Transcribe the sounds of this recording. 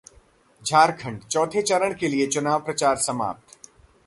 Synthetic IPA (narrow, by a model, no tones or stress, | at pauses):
d͡ʒʱaːɾkʰə̃ɳɖt͡ʃɔːt̪ʰet͡ʃɐɾəɽ̃keliet͡ʃʊnaːʋpɾɐt͡ʃaːɾsɐma̰ːp̚t̪